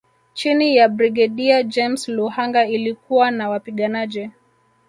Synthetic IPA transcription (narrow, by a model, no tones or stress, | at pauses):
t͡ʃinijabɾiɡɛɗiad͡ʒɛmsluhaŋɡailikuwanawapiɠanad͡ʒi